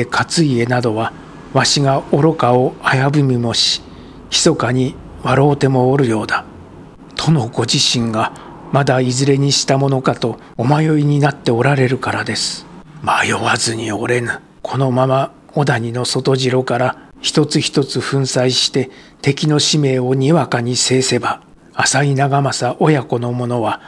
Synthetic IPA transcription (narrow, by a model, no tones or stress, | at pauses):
ekʰat͡sɨie̞nad̪o̞βa | βaɕiɡao̞ɾo̞kao̞ajabɯ̟mʲimo̞ɕi̥ | çi̥so̞kaɲ̟i | βaɾo̞ːt̪e̞mo̞ːɾɯ̟jo̞ːd̪a | t̪ʰo̞no̞ɡo̞ʑiɕĩŋɡa | mad̪aizɨɾe̞ɲ̟iɕi̥t̪amo̞no̞kat̪o̞ː | majo̞ɾʲiɲ̟inat̪ːe̞o̞ɾaɾe̞ɾɯ̟kaɾad̪e̞sɨ̥majoβazɨɲ̟io̞ɾe̞nɯ | kʰo̞no̞mama | o̞d̪aɲ̟ino̞so̞t̪o̞ʑiɾo̞kaɾa | çi̥t̪o̞t͡sɨçi̥t̪o̞t͡sɨɸɯ̟̃ɰ̃saiɕi̥t̪e̞ | t̪e̞kʲino̞ɕime̞ːo̞ɲ̟iβakaɲ̟ise̞ːse̞baː | sainaɡamasaʔo̞jako̞no̞mo̞no̞βa